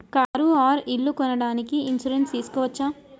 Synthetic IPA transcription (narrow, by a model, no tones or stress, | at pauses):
kaːɾuaːɾiɭːukɔnɐɽaːnikiinsuɾenst̪iːsu̥kɔːʋɐt͡ʃːa